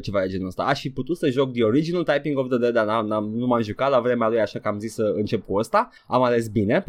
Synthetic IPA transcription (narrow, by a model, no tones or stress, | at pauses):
t͡ʃe̞vaɾet͡ʃenuəst̪a̰ʔaʃfiput̪ut̪səʒo̞k̚d̪io̞ɾid͡ʒinult̪ajpiŋɡofd̪əd̪ed̪ananamnumamʒukat̪lavɾe̞mealujaʃakəamzisːəɨnt͡ʃe̞p̚kuəst̪a | amale̞s̬bine̞